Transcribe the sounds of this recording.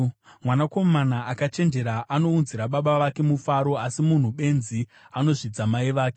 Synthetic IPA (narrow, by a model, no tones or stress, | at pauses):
mwanako̞manaakat͡ʃe̞nd͡ʒe̞ɾaʔano̞unziɾaɓaɓaʋake̞mufaɾo̞asimun̤uɓe̞nzi | ano̞ʐid͡zamaiʋaːke